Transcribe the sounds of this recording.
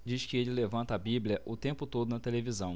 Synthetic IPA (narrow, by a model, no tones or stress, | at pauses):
d͡ʒiʃkɪelɪlevɐ̃nt̪ɐabiblʲɐʔʊt̪ẽmpʊt̪od̪ʊnɐt̪elevizɐ̃w̃